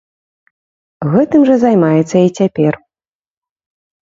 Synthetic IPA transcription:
ɣɛt̪ɨmʐɐzajmajɛt̪sːɐit͡sʲapʲɛr

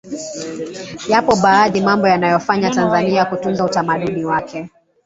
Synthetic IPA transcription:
japɔɓaːðimambɔjanajɔfaɲatanzaniakutunzautamaɗuniwakɛ

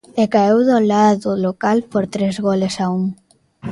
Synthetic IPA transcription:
ekaewðolaðʊlokalpoɾt̪ɾezɣolesauŋ

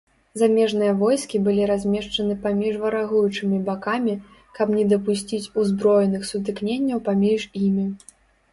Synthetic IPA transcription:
zamʲɛʐnɨjɐvɔjskʲibɨlʲiɾazʲmʲɛʂt͡ʂɐnɨpamʲiʐvɐɾaɣujut͡ʂɨmʲibakamʲi | kɐpnʲɛd̪ɐpusʲt͡sʲit͡sʲuzbɾɔjɛnɨxsut̪̬ɨknʲenʲːɐwpamʲiʐimʲi

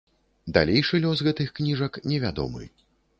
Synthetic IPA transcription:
d̪a̰lʲejʂɨlʲɔsɣɛt̪ɨxknʲiʐɐknʲɛvʲad̪ɔ̰mɨ̰

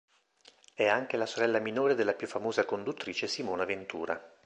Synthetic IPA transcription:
ɛaŋk̟elasoɾɛlːaminoːɾed̪elːapjufːamoːzakond̪ut̪ːɾiːt͡ʃesimoːnavent̪ṵːɾa̰

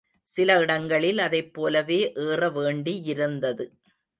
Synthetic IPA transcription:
sɪlɐɪɽɐŋɡɐɭɪlɐðɐɪpːoːlɐʋeːʔeːrɐʋeːɳɖiɪɾɯnd̪ɐðɯ

